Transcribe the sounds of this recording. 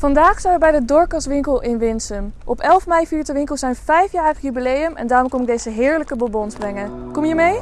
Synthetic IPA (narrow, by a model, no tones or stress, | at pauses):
fɑndaːχsɛnʋəbɛjdədɔːɹkɑsʋɪŋkəlˠɪnʋɪnsəmʔɔpɛlˠfmɛjfiːɹtəʋɪŋkəlˠsɛjnvɛjfjaːrəχjybilejəmɛ̰ndaːrɔmkɔmɪɡ̚dejzəɦɪːɹləkəbɔbɔnzbrɛŋəkɔmjəmej